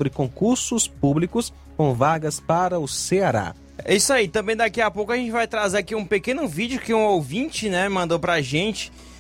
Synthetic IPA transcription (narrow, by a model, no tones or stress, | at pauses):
bɾɪkõkuɾsʊspublikʊs | kõw̃vaɡɐspaɾɐʊseaɾa̰ | isait̪ɐ̃mbẽj̃d̪akiɐpowkʊɐʒẽnt͡ʃɪvajt̪ɾazeɾakiũpekẽnʊvid͡ʒʊkɪũowvĩt͡ʃɪnɛmɐ̃nd̪owpɾɐʒẽt͡ʃɪ̥